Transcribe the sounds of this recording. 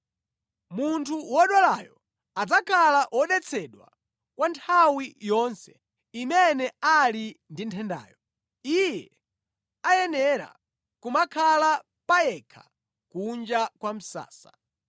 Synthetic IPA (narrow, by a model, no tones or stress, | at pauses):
muntʰuwɔɗwalajɔ | ad͡zakʰalaʔwʔɔɗɛt͡sʰɛɗwa̰ | kwantʰawijɔnsɛ | imɛnɛalindintʰɛnda̰ːjɔ | ijɛ | ajɛnɛɾa̰ | kumakʰala | pajɛkʰḁ | kund͡ʒakwam̩sa̰ːsa